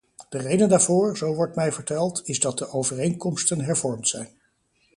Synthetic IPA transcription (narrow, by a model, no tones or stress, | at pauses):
d̥ərejdəndaːɹvʊːɹzowʋɔɹtmɛjvəɹtɛlˠtɪzdɑt̚dəʔowvərejŋkɔmstənɦɛɹvɔɹmtsɛjn